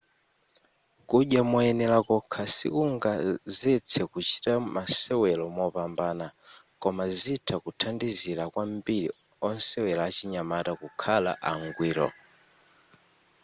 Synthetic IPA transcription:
kuɗjamɔɛnɛlakɔkʰasḭkuŋɡazɛt͡sʰɛkut͡ʃi̥tamasɛwɛlɔmɔpambanakɔmazitʰakutʰandiziɾakwambiɾi | ɔnsɛwɛlaːt͡ʃiɲamatakukʰala̰ʔaŋɡwiːɾɔ̰

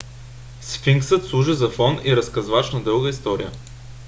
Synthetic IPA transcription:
sfiŋksət̪slˠuʒɛzɐfɔniɾɐskɐzvat͡ʃnɐd̪ɤlˠɡəist̪ɔɾḭjə

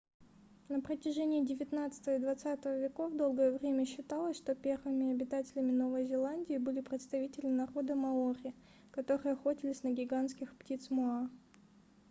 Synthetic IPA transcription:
nəpɾətʲɪʐɛnʲɪːdʲɪvʲɪt̪nat̪sɨ̥t̪əvəid̪vɐt̪sat̪əvəvʲɪko̞vd̪o̞lˠɡəjəvɾʲemʲəɕːɪt̪alˠəsʲʂt̪o̞pʲe̞rvɨmʲɪɐbʲɪt̪atʲɪlʲɪmʲɪno̞vəjzʲɪlˠanʲdʲɪːbɨlʲɪpɾʲɪt̪st̪ɐvʲitʲɪlʲɪnɐɾo̞d̪əmɐoɾʲɪɪ | kɐt̪o̞ɾɨjəɐxo̞tʲɪlʲɪsʲnəɡʲɪɡanskʲɪxptʲit̪smʊa

